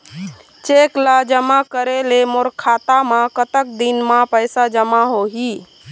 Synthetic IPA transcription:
t͡ʃeklad͡ʒəmakəɾelemoɾkʰat̪amakət̪ək̚d̪inmãpəjsad͡ʒəmaɦoɦi

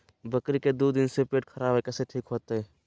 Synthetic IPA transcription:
bəkɾiked̪uːd̪ɪnsepeːʈkʰɐɾaːbekɛseʈʰiːkɦoːt̪eɦɛː

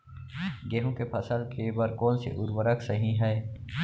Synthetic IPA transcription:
ɡeːɦõkepʰɐsəlkebəɾkɔːnsḛʔʊɾwəɾəksəɦĩɦɛː

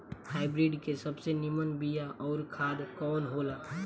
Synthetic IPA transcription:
haːɪbɾiːɖkesɐbsenɪmənbijaʔɔːɾkʰaːd̪kɔːnɦoːlaː

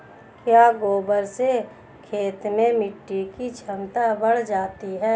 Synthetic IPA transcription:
kjaːɡoːbəɾse | kʰeːt̪mẽmɪʈːikit͡ʃʰəmt̪abəɽ̤d͡ʒaːt̪iɦɛː

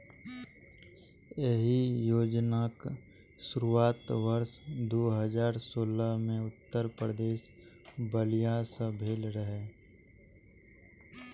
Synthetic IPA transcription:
jeɦijoːd͡ʒnak | ʃʊɾuaːt̪ʋəɾʃd̪oːɦəd͡ʒaːɾsoːləɦmẽʊt̪ːəɾpɾəd̪eːʃbəlijasəbʱeːlɾəɦe

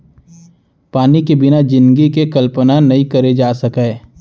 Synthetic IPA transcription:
paːnikebɪnad͡ʒɪ̃nd̪ɡikekɐlpənanɐɦĩkɐɾed͡ʒaːsɐkaː

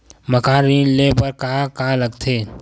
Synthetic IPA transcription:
məkaːɾiːnlepəɾkaakaːləɡt̪ʰeː

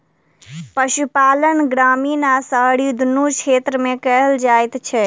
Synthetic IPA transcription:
pəʃupaːlənɡɾaːmiːnaːsəɦɽid̪ʱunut͡ʃʰeːt̪ɾəmẽkɛɦəld͡ʒaːɪt̪t͡ʃʰɛ

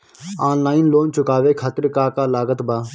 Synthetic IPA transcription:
aːnlaːɪnloːnt͡ʃʊkaːʋeːkʰaːt̪əɾkaːkaːlaːɡət̪baː

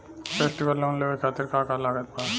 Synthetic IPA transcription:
pʰeːsʈiʋəlːoːnloʋekʰaːt̪iɾkaːkalaːɡət̪̚pa

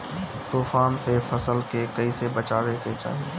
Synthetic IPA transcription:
t̪uːfaːnsefʰəsəlkekɐisebət͡ʃaːʋeket͡ʃa̰ːɦie

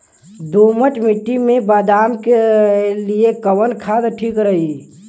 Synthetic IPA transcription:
d̪uːməʈmɪʈːimẽbaːd̪aːmkeliekəwənkʰaːd̪ʈʰiːkɾəɦi

